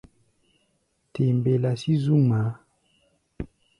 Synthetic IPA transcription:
tʰe˨mbe˨la˨si˦zu˦ma˨˦

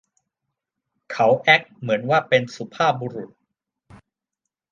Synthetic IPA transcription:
kʰa˦˥wʔɛ˦˥k̚mɯ˩˦ənwaː˥˩pe˧nsu˧˦pʰaː˥˩p̚buː˧ɾu˨˩t̪̚

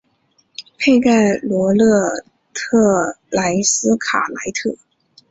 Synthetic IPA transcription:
pʰe˥˧ɪka˥˩ɪlwɔ˧˥lɤ˥˩ | t̪ʰɤ˥˩la˧˥ɪsɹ̩˥kʰa̰˨˩la˧˥ɪt̪ʰɤ˥˩

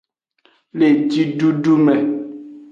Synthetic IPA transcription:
le˨d͡ʒi˦ɖu˦ɖu˦mɛ˨

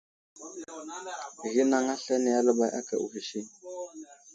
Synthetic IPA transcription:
ɣi˦na˨ŋa˦ɬɛ˦ni˨ja˦lə˦ba˨jʔa̰˦ka˨u˨ɣi˨ʃi˦

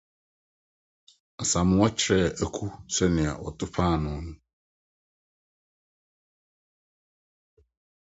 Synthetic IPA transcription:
a˨sã˨mʊ̃˦wɔ˦t͡ɕʰɪ˦ɾɛ˦˨æ˨kʰu˦sɛ˦nɪ̃˨a̰˨wɔ̰˨tʰʊ˦pʰã˦˨nʊ̃˨˦nũ˦

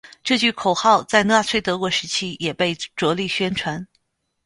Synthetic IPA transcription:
ʈ͡ʂɤ˥˧t͡ɕy˥˩kʰo˨˩ʊxɑ˥˧ʊt͡sa˥˧ɪna˥˧t͡sʰwe˥˩ɪt̪ɤ˧˥kwɔ˧˥ʂɻ̩˧˥t͡ɕʰi˥jɛ˨˩pe˥˩ɪʈ͡ʂwɔ˧˥li˥˩ɕɥɛ˥nʈ͡ʂʰwa˧˥n

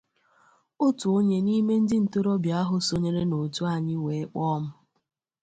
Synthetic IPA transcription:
o˦tu˨o˦ɲe˨ni˦me˦n̩˦dɪ˦n̩˨to˦ɾo˦bja˦ɦʊ˨so˦ɲe˦ɾe˦no˨tu˦a˦˨ɲɪ˦we˨˦k͡pɔ˦m̩˦

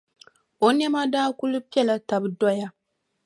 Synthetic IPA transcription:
o˨nɛ˦ma˦daː˦ku˦lu˦pi˦ɛ˦la˨ta˨bɨ˨dɔ˦ja˦

